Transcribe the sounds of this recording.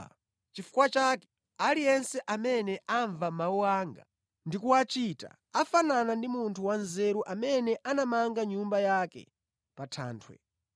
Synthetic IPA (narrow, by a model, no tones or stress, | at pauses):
t͡ʃifu̥kwat͡ʃakɛ̥ | alijɛnsɛʔamɛnɛʔaɱvamauwaːŋɡa̰ | ndikuwat͡ʃita̰ | afananandimuntʰuwanzɛɾuʔamɛnɛʔanamaŋɡaɲumbajakɛ̰ | patʰa̰ːntʰwɛ̰